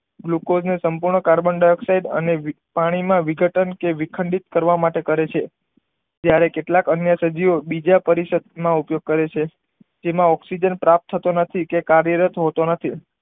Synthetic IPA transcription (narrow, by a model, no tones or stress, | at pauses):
ɡlukod͡ʒnesəmpuɾɳəkaɾbəɳɖajɔksaiɖə̰ne | paɽ̃imãʋiɡʱəʈənkeʋikʰəɳɖit̪̚kəɾʋamaʈekəɾet͡ʃʰe | d͡ʒjaɾekeʈlakənjəsəd͡ʒiobid͡ʒapəɾisəd̪̚mãupjoɡ̚kəɾet͡ʃʰe | d͡ʒemãɔksid͡ʒənpɾap̚t̪ʰːət̪onət̪ʰikekaɾjəɾət̪ɦot̪onət̪ʰi